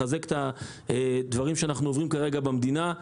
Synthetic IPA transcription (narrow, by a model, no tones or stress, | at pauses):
azekt̪a | d̪vaʁimʃeanaχnuovʁimkaʁe̞ɡabamd̪ina